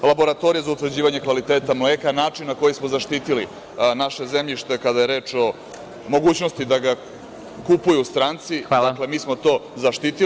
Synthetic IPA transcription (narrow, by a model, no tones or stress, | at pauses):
labo̞ɾat̪o̞ɾijazaut̪ʋrd͡ʑiːʋaɲe̞kʋalit̪eːt̪amleːkanaːt͡ʂinːako̞jismozaʃt̪iːt̪ili | naʃe̞zemʎiʃt̪e̞kad̪aje̞ɾe̞ːt͡ʂo̞ | mo̞ɡuːt͡ɕno̞st̪id̪aɡa | kupujust̪ɾaːnt̪sid̪akle̞miːsmo̞t̪o̞ːzaʃt̪it̪i